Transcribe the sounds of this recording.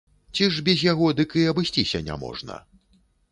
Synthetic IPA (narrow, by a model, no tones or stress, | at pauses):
t͡sʲiʐbʲɛzʲjaɣɔd̪ɨkɨɐbɨsʲt͡sʲisʲɐnʲa̰mɔ̰ʐnɐ̰